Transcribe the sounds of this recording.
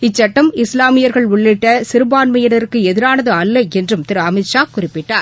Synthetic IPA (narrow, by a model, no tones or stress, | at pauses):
ɪt͡ʃːɐʈːɐmɪslaːmɪjɐɾɣɐɭʊɭːɪʈːɐsɪɾɯbaːnmɐjɐɽɐɾkːɯɛðɪɾaːnɐðɯɐlːɐɛndrɯmt̪ɪɾɯɐmɪt͡ʃːaːkʊrɪpːɪʈːaːɾ